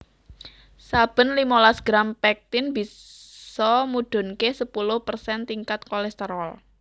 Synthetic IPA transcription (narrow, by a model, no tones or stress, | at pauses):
sab̥ə̤nlimɔlasɡ̥ɾampɛk̚t̪ɪnbisɔmuɖ̥ʊ̤nkesəpulʊhpərsɛnt̪iŋkat̪̚kɔlɛst̪əɾɔl